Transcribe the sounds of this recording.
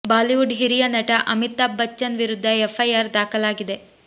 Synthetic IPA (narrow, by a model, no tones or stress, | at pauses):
baːliʋuɖɦiɾijɐnɐʈɐʔɐmit̪ːaːbːɐt͡ʃːɐnʋiɾud̪ʱːɐefʰɐjaːɾd̪aːkɐlaːɡid̪e̞